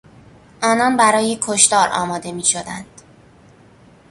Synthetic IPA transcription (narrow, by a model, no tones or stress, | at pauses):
ʔɒːnɒnbæɾɒːjekʰoʃt̪ɒːɾʔɒ̰ːmɒːd̪e̞miːʃo̞d̪æ̰nd̪̥